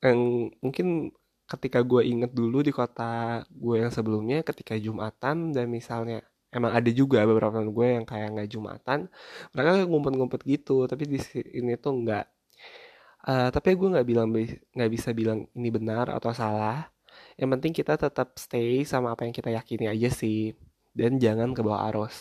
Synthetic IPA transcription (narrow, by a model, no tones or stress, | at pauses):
aŋmuŋkɪn | kət̪ikaɡuaʔiŋət̪̚duludikot̪aɡuajaŋsəbəlumɲakət̪i̥kad͡ʒumat̪amdanmisalɲa | emaŋadad͡ʒuɡabəbəɾapamanɡuajaŋkajaŋɡaʔd͡ʒuma̰t̪anməɾakaɡuaŋumpʊt̪̚ŋumpʊt̪̚ɡit̪ut̪apidisiːnit̪uŋɡaʔ | ʔəːt̪apiɡuaŋɡaʔbilaŋbŋɡaʔbisabilaŋinibənara̰t̪awsalah | jaŋpənt̪ɪŋkit̪at̪ət̪əp̚st̪eisamaːpajaŋkit̪ajakiniad͡ʒasɪh | dand͡ʒaŋankəbawa̰a̰ɾʔɔs